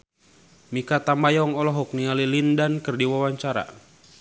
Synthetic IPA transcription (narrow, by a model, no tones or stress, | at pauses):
mikat̪amajɔŋɔlɔɦɔk̚nialilindankɨrdiwawaɲt͡ʃaɾa̰